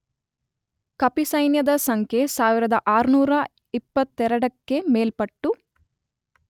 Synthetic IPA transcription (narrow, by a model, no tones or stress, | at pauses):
kɐpisɐjnjɐd̪ɐsɐŋkʰesaːʋiɾɐd̪ɐʔaːɾunuːɾɐ | ipːɐt̪ːɛɾɐɽɐkːe̞meːlpɐʈːu